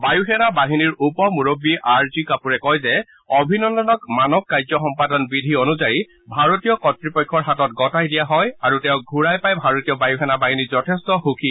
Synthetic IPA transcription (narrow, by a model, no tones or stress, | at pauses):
bajuxɛnabaɦiniɹupɔmuɹobːiʔaɹzikapuɹɛkɔjzɛ | ɔbʱinɔndɔnɔkmanɔk̚kajzɔxɔmpadɔnbidʱionuzaji | bʱaɹotijɔkɔtɹipɔjkʰːɔɹɦatɔt̚ɡɔtajdijaɦɔjaɹutɛʊ̃ɡʱuɹajpajbʱaɹotijɔbajuxɛnabaɦinizɔtʰɛstɔxukʰi